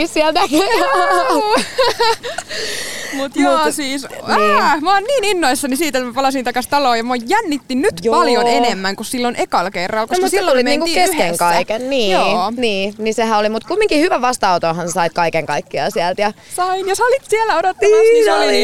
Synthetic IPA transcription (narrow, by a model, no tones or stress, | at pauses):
ssiælnæk | mut̪joːsiːsæmɑːnniːninːoisːɑnisiːt̪et̪mæpɑlɑsint̪ɑkɑst̪ɑloːjɑmojjænːit̪ːinnyt̪pɑljonenemːæŋkussilːonʔekɑlkerːɑlkossilːoulimeniːŋkuiːkeskkeŋkɑikenniːjoːniːnisehæolimut̪kumːiŋkihyʋæʋɑst̪ɑut̪onhɑnsesɑit̪̚kɑikeŋkɑikːiɑ̰siælt̪jɑ | sɑinjosɑlit̪sielːæodot̪ːɑiɑsli